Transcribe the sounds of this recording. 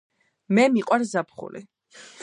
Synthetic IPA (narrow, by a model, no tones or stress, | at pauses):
mɛmiqʼwaɾzapʰχṵlḭ